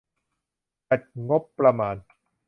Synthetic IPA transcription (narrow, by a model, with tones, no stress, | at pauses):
pa˨˩t̪̚ŋo˦˥pːɾa˧maː˧n